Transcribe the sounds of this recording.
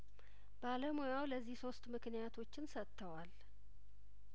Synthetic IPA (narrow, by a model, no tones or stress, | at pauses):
baləmojawləzːihso̞st̪mɨknijat̪ʰo̞t͡ʃːɪnsət̪ʰːəwal